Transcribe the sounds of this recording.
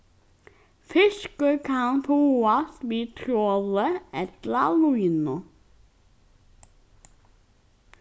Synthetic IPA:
fʏʃkəkʰɑnfʰuːɑsʋiːt̪ʰɾoləɛt̪lɑluiːnʊ

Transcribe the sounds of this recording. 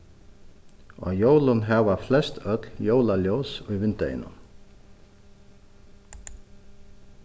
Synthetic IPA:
ɔ̰joːwlʊnɦɛʋaflɛst̪œt̪ljoːwlaljowsujʋɪnt̪ḛjɪ̰nʊ̰m

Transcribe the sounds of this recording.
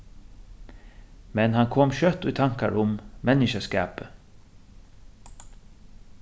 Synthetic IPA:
mɛnhɑnkʰɔmɕœt̪ːʊːt̪ʰaŋkaɹʊmmɛnɪʃəskæːpə

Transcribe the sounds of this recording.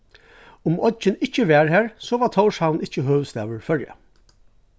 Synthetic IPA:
ʊmʔɔd͡ʒɪnɪt͡ʃːəʋæːɹhæːɹsɔʋat̪ʰɔʊʂhanɪt͡ʃːəɦøːʋst̪æːʋəɹfœɹja̰

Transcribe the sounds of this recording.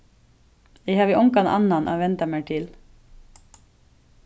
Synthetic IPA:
ɛhɑːʋiːʔʊŋkɑnʔɑ̰nɑnʔo̰ːʋɛnt̪ɑmeːʈʰɪl

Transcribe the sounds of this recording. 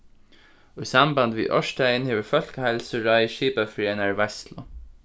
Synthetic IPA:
oisamband̪ʋḭʔɔ̰ʂt̪æjənheːʋəɹfœl̥kəhaɪlsəɹaɪʃiːpafɾɛːnaɹʋɛst̪lʊ

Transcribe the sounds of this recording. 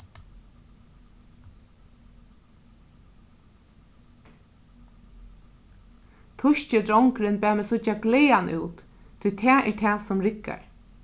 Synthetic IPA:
t̪ʰʊʃt͡ʃɪd̪ɾɔŋkɾɪnbæːmɛsʊt͡ʃaɡleːanʔṵːwt̪ | t̪ʰːʊjt̪ʰɛːʔɛ̰ɹt̪ʰɛːsʊmɾɪkːa̰ɹ

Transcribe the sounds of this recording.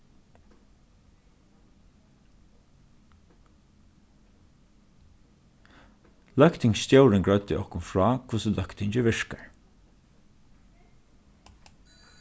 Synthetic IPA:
lœkt̪ʰɪŋsst̪jowɹɪŋɡɹœɥt̪ɪʔɔhkʊnfɹɑːkʰvʊsəlœkt̪ɪɲt͡ʃɪʋɪʂkaɹ

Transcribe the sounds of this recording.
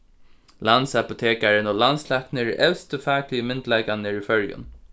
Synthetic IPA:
lansapʊt̪ʰeːkaɹɪnoːlanslaknəɹɛwst̪əfaːklɪəmɪnt̪laɪkanɪɹifœɹjʊ̰n

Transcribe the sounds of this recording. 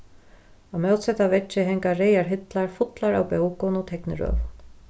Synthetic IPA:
amɛwt̪sɛt̪avɛt͡ʃːɪɦɛŋkaɾejaɹɦɪt̪laɹfʊt̪laɾa̰wpɛwkʊnʊt̪ʰɛknɪ̰ɾœ̰ːvn

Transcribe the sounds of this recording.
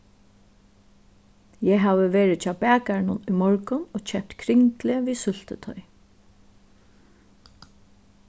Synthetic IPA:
jɛɦaːʋəʋeːɹɪt͡ʃʰɑːbæːkaɳʊnʊjmɔɹkʊnoːt͡ʃɛp̚t̪kʰɾɪŋk̪lɪʋiːsʏl̥t̪ə̰t̪ʰɔ̰ʏ

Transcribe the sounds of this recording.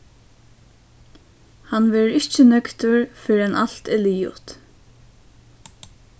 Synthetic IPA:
hanʋɛːɾɾɪht͡ʃːənœkt̪ʊɹfɪɾanʔal̥t̪ɛliːʊ̰t̪

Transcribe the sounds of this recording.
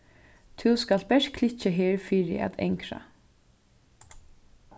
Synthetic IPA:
t̪ʰuwskal̥t̪̚bɛʂkʰlɪht͡ʃɪɦeːɹfiːɾɪ̰a̰t̪ɛ̰jŋkɾa̰

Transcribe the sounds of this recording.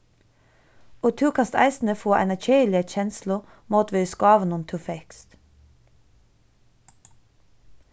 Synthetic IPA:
oːt̪ʰʉːkʰɑst̪æ̰ɪsn̩əfoːʔɛ̰næʃeːlɪəçɛnslʊ | muːt̪ʋɪːskɑːʋənʊmt̪ʰʉːfɛkst̪

